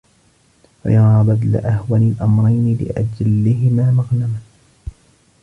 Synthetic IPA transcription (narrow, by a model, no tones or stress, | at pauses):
wa̰jɑɾˤɑːbad̪la̰ʔahwanalʔamɾˤɑjnɪlɪ̰ʔa̰d͡ʒalːɪɦɪmaːmaɣnama